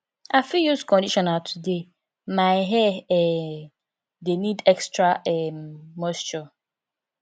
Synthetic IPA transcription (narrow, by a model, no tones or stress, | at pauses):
afijuskɔ̃ndiʃɔnatʰude | maɪɦɛɛ | denidɛkstɾaɛmːɔst͡ʃɔ